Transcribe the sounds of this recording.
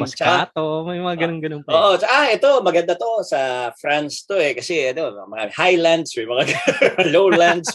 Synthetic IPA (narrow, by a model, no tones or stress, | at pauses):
t͡ʃɐkat̪omɐjmɐŋaɡɐnoŋɡɐnoŋpoːʔot͡ʃɐʔaʔɛt̪o̞mɐɡɐnd̪at̪o̞sɐfɾanst̪o̞ɛkɐsɛɐd̪ɪanmɐɡa̰ːmɪhajland̪smɐjmɐŋaɡlowland̪s